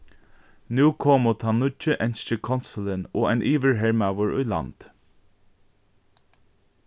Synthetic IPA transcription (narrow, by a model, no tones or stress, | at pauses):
nʉːkʰoːmoːt̪ʰɑːnʊt͡ʃəʔɛnʃəkʰɔnsəl̩ənoːæɪnʔiːʋəɹɦɛɹmawəɹʊ̰ɪlɑ̰nd̪̥